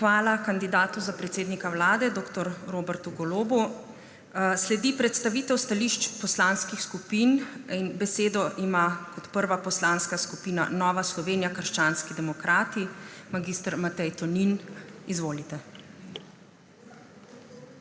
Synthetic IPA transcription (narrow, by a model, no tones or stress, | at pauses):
xʋaːlakand̪id̪aːt̪uzapɾɛt̪seːd̪nikawlaːd̪ɛd̪oːkt̪ɔɾɾoːbɛɾt̪uɡɔloːbu | slɛd̪ipɾɛt̪st̪aʋiːt̪ɛwst̪aliʃt͡ʃpɔslaːnskixskupininbɛseːd̪ɔʔimakɔt̪pəɾʋapɔslanskaskupiːna̰nɔːʋaslɔʋeːnijakəɾʃt͡ʃaːnskid̪ɛmɔkɾaːt̪imaɡiːst̪əɾmat̪ɛjt̪ɔninizʋoːlit̪ɛ